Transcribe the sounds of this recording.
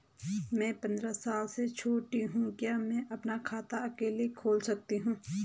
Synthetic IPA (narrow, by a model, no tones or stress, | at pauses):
mɛ̃ːpɐ̃nd̪ɾasaːlset͡ʃʰoːʈiɦũkjamɛ̃ːʔɐpnakʰaːt̪aɐkeːlikʰoːlsɐk̚t̪iɦũː